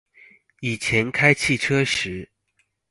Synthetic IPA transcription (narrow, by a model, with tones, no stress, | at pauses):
i˨˩t͡ɕʰjɛ˧˦˥nkʰa˥ɪt͡ɕʰi˥˩ʈ͡ʂʰɤ˥ʂɻ̩˧˥˦